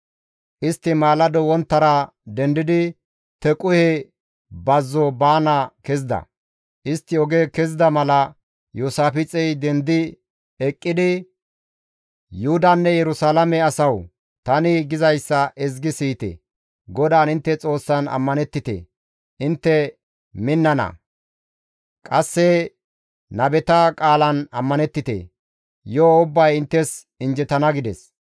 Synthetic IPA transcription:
ʔɪst̪ːɪmaːlɐd̪ɔwɔnt̪ːɐɾɐ | d̪ɛnd̪ɪd̪ɪ | t̪ɛkʼʊhɛ | bɐzːɔbaːnɐkɛzɪd̪ɐ̰ | ʔɪst̪ːɪɔɡekɛzɪd̪ɐmɐlɐ | juːsaːfɪt͡sʼɛjd̪ɛnd̪ɪ | ɛkʼːɪd̪ɪ | jʊhʊd̪ɐnːɛjɛɾʊsaːlɐmɛɐsɐw | t̪ɐnɪɡɪzɐjsːɐʔɛzɡɪsiːt̪ɛ̰ | ɡɔd̪aːnɪnt̪ːɛt͡sʼo̞ːsːɐnɐ̰mːɐnɛt̪ːɪt̪ḛ | ɪnt̪ːɛ | mɪnːɐnɐ̰ | kʼɐsːɛ | nɐbɛt̪ɐkʼaːlɐnɐmːɐnɛt̪ːɪt̪ḛ | joːʊbːɐjɪnt̪ːɛs | ɪnd͡ʒɛt̪ɐnɐɡɪd̪ɛs

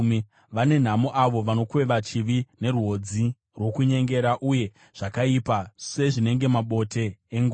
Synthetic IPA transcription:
m | ʋane̞n̤amoʔaʋo̞ʋano̞kwe̞ʋat͡ʃiʋine̞ɾuɦo̞d͡zi | rwo̞kuɲe̞ŋɡe̞ɾaʔuje̞ | ʐ̥akaipase̞ʐine̞ŋɡe̞maɓo̞te̞ːŋɡo

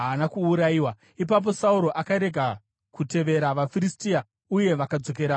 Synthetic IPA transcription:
aːnakuːɾaiwa | ip̬ap̬o̞sauɾo̞ʔakaɾe̞ɡʱa | kute̞ʋe̞ɾaʋafiɾistia | uje̞ʋakad͡zo̞k̬e̞ɾa

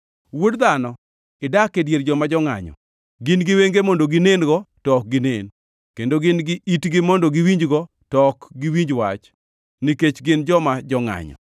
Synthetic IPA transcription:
wodd̪anɔ | ɪdakːedjerd͡ʒɔmad͡ʒɔŋa̰ɲɔ̰ | ɡɪnɡɪweŋɡemɔndoɡɪnenɡɔtɔk̚ɡɪnḛn | kendoɡɪnɡɪʔitɡɪmɔndoɡiwiɲd͡ʒɡɔ | tɔkɡiwiɲd͡ʒwa̰t͡ʃ | niket͡ʃɡɪnd͡ʒɔmad͡ʒɔŋa̰ɲɔ̰

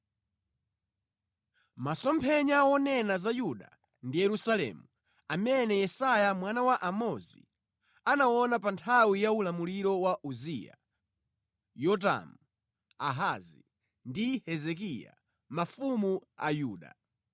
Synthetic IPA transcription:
masɔmpʰɛɲawɔnɛnazajuɗa̰ | ndijɛɾusalɛ̰ːmu | amɛnɛjɛsajamwanawaʔamɔzḭ | anawɔnapantʰawijaulamuliɾɔwaʔuzija̰ | jɔt̬a̰mu | aɦazi | ndihɛzɛk̬ija̰ | mafumua̰juːɗa̰

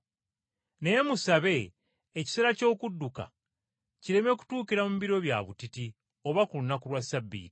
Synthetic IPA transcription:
ne̞musaβe̞ː | ci̥se̞ːɾaco̞ːkudːuka̰ | ciɾe̞me̞ku̥tuːkiɾamumiβiɾo̞βja̰βutiti | o̞βakulunakuɾwasabːḭːti̥

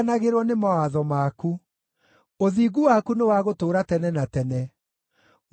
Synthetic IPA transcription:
naɣeɾwɔnemawaðɔmaku | oðiːɡuwakunewaɣotoːɾatɛnɛnatɛnɛ

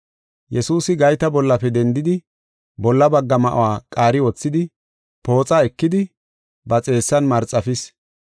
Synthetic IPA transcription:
jɛsuːsɪɡɐjt̪ɐbɔlːɐfɛd̪ɛnd̪ɪd̪ɪ | bɔlːɐbɐɡːɐmɐʔʊ̰waːkʼaːɾɪwɔt͡sːɪd̪ɪ | po̞ːt͡sʼaɛkːɪd̪ɪ | bɐt͡sʼe̞ːsːɐnmɐɾt͡sʼːɐfɪs

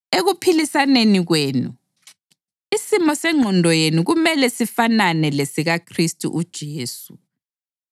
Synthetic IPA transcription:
eɣupʰilisaneniɣweːnṵ | isimɔsɛŋ͡ǃʱɔndʱɔjenuɣumɛlɛsifananɛlesiɣakʰristʼṵʔud̥ʒ̥ʱeːsu

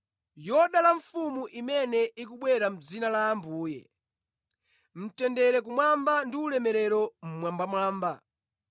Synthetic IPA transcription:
jɔɗalaɱfumuʔimɛnɛʔikuɓwɛɾam̩d͡zinalaːmbuːjɛ̰ | m̩tɛndɛɾɛk̬umwambandiulɛmɛɾɛɾɔm̩mwambamwaːmba

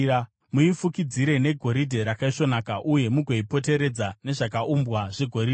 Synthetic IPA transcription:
a | muifukid͡ziɾe̞ne̞ɡʱo̞ɾidʱe̞ɾakaiʂo̞naːkaʔuje̞muɡʱeipo̞te̞ɾe̞d͡zane̞ʐakaʔumbwaʐeɡʱo̞ɾid

